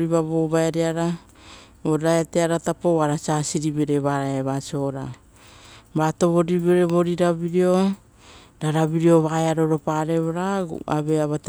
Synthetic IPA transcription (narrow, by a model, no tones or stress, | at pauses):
ɾiβaβoβaeɾiaɾa | oɾaeteaɾatapoaɾat͡ʃasiɾiβeɾeβaɾaeβat͡ʃo̞ɾa | bato̞βo̞ɾiβeɾeβo̞ɾiɾabiɾio̞ | ɾaɾaβiɾio̞βaeaɾo̞ɾo̞paɾe̞βoɾa̰a̰βeaβat